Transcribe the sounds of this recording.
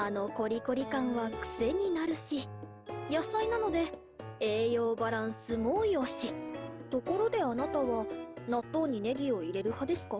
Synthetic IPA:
ano̞ko̞ɾʲiko̞ɾʲikãɰ̃βakɯ̟̥se̞ɲ̟inaɾɯ̟ɕi | jasainano̞d̪e̞ | eːjo̞ːbaɾãɰ̃sɨmoːjoɕit̪o̞ko̞ɾo̞d̪e̞anat̪aβanat̪ːo̞ːɲ̟ine̞ɡʲio̞iɾe̞ɾɯ̟had̪e̞sɨ̥ka

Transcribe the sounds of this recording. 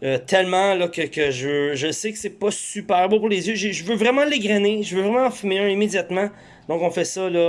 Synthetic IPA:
ət̪ʰɛlmãlɔkəkəʒəvøʒəsekə̥sɛpɔsypɛːʁbɔ̃puʁlezjøʒeʒəvøvʁɛmãleɡʁɛneʒəvøvʁɛmãfymɪ̃imed͡zjat̪mã | d̪ɔ̃kɔ̃fɛsʌlɔ

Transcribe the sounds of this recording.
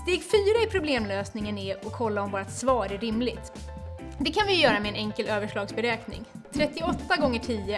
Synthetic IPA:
d̪ɛjɛkfyːɾaɪpʰɾʊbleːmløːsnɪŋənɪɔkʰːɔlːaɔmvoːɾat̪svɑːɾæɾɪmlɪt̪ | d̪ɛkʰanvɪjɵjœːɾamɛɛnɛŋkəløːvəʂɭɑːɡsbɛɾɛːknɪ̰ŋt̪ʰɾɛt̪ːɪɔt̪ːaɡɔŋːəʈʰiːə

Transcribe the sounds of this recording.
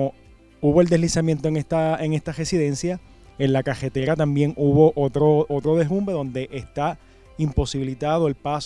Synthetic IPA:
o | uβo̞e̞ld̪e̞slisamje̞nt̪oeŋest̪aeŋe̞st̪are̞siðe̞nsja | e̞nlakase̞t̪eɾat̪ambje̞ŋuβo̞ʔot̪ɾoʔot̪ɾo̞ðe̞rũmbe̞ðõ̞nd̪e̞ʔest̪a | impo̞siβilit̪aðo̞e̞lpas

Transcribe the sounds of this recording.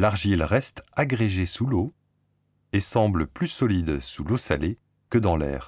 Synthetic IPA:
laʁʒilʁɛst̪aɡʁeʒesulo | esɑ̃bləplysɔlid̪sulosale | kəd̪ɑ̃lɛ̰ːʁ

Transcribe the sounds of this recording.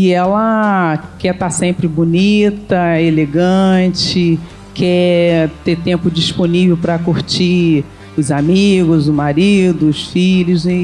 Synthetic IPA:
ɪɛlɐ | kɛt̪asẽmpɾɪbunit̪ɐeleɡɐ̃t͡ʃɪ | kʰɛt̪et̪ẽmpʊd͡ʒisponivewpɾɐkuɾt͡ʃi | ʊzamiɡʊzʊmaɾid̪ʊʊsfilʊzɪ

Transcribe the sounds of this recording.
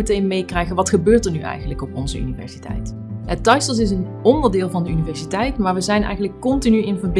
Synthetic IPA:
ətejnmejkrɛjχənʋɑtχəbøːɹtəɹnyʔɛ̰jχənləkɔpɔnzəʔy̰nivɛ̰ɹsitɛ̰jt | ətɑjsəlˠs̬ɪs̬ən | ɔndəɹdɪːlˠvɑndəynivɛɹsitɛjtmaːɹʋəzɛjnʔɛ̰jχənləkːɔntinyɪnvəɹb

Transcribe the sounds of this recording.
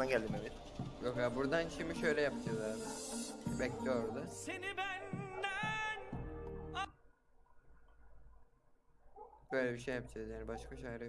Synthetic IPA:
anɟælʲd̪imevɛt̪ | jokjabuɾd̪anʃimiʃø̞jlʲɛjapɯd͡ʒazˠaɾ | bɛclʲijoɾd̪asenibænd̪æn | bø̞jlʲɛbiʃ̬ejːapd͡ʒad̪jaːnibaʃkʰaʃajɾɯ

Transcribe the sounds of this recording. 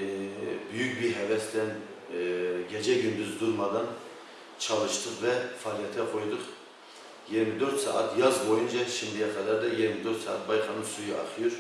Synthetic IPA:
byjyk̚ʲbiɦɛvɛst̪ɛn | ɡʲɛd͡ʒɛɡʲynd̪yzd̪uɾmɑd̪ɑn | t͡ʃʰɑlˠɨʃt̪ʰɨqvɛfɑːlˠijɛt̪ʰɛqʰojd̪ʊq | jiɾmɪd̪øɾt̪sɑ̰ːʔɑt̪jɑzbojund͡ʒʰɑʃind̪ijɛqʰɑd̪ɑɾd̪ɛjiɾmɪd̪øɾt̪sɑ̰ːɑt̪̚bɑjqʰɑmɨsujʔɑ̰χjuɾ

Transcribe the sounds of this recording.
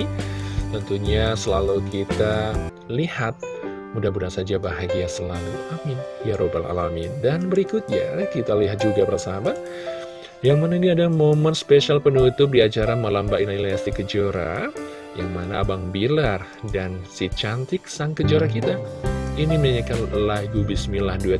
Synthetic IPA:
t̪ənt̪uɲasəlalukit̪a | lihat̪̚ | mudabudasad͡ʒabaɦaɡiasəlalṵʔamɪnjaɾʔobala̰lamidanbəɾikʊt̪̚ɲa̰kit̪aliɦat̪̚d͡ʒuɡapərasaaba | jaŋmanainiadamomənspeʃialpənut̪ʊp̚diat͡ʃaɾanmalambainaliasikəd͡ʒoɾa̰ | ja̰ŋmana̰ʔa̰baŋbilar | dansit͡ʃant̪ɪk̚saŋkəd͡ʒoɾakit̪ainimaɲakanlaɡubismilahduɪt̪̚

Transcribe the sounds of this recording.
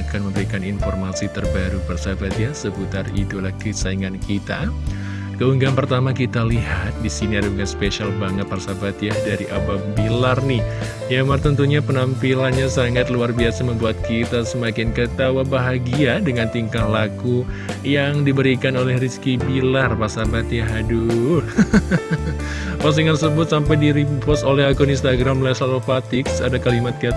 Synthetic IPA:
akanməmbəɾikaninfɔrmasit̪ərbaɾupərsabat̪jasəbut̪arḭt̪ulahkəsaiŋankit̪a̰ | kəuŋɡanpərt̪amakit̪aliɦat̪̚disiniadabuŋanspeʃalbaŋət̪̚parsabat̪jadaɾiʔabambilarnɪh | jamart̪ənt̪uɲapənampilanɲasaŋat̪luarbiasaməmbuat̪̚kit̪asəmakɪnkət̪awabaɦaɡiadəŋant̪iŋkahlaku | jaŋdibəɾikanolɛhriskibilarparsabat̪jaɦadu | pas̬iŋansəbʊt̪̚sampajdiɾipɔst̪olɛhakuninst̪aɡɾamlasalopat̪ɪksadakalimat̪̚ki

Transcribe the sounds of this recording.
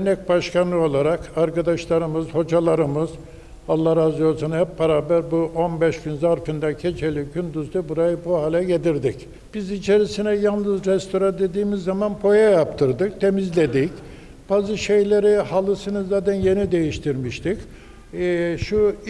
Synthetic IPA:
nːɛc̚baʃkanlˠɯo̞lˠaɾakaɾkad̪aʃlˠaɾɯmɯzho̞d͡ʒalˠaɾɯmɯz̥ | alˠːahazɯjosunhɛpbaɾaːbæɾbuʔo̞nbɛʃɟynzaɾfɯnd̪acʰe̞t͡ʃʰe̞lʲiɟynd̪uzd̪ɯbuɾajɯbuhaːlʲɛɟed̪iɾd̪ic | b̥izit͡ʃʰe̞ɾisinɛjalˠnɯzɾɛst̪ʰo̞ɾand̪e̞d̪iːmizːamanpʰo̞jajap̚t̪ʰɯɾd̪ɯk̚t̪ʰe̞mizlʲe̞d̪ic | b̥aːzɯʃe̞jlʲe̞ɾihalˠɯsɯnɯzaːt̪ʰænje̞nid̪e̞jiʃt̪ʰiɾmiʃt̪ʰicː | ʃu

